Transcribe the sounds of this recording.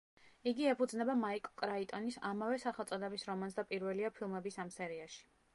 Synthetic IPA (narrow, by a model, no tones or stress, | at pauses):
iɡiɛpʰud̪znɛbamaikʼkʼɾait̪ʼɔnisamavɛsaχɛlˠt̪sʼɔd̪ɛbisɾɔmans̬d̪apʼiɾvɛliapʰilˠmɛbisamsɛɾiaʃi̥